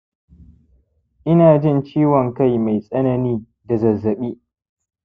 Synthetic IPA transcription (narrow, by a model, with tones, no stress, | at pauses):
ʔɪ˦naː˨d͡ʒɪ˦˨nt͡ʃiː˦wɔ˨ŋka˦˨jma˨jsʼɐ˦nɐ˨niː˦ | da˨zɐ˨zːɐ˨ɓiː˦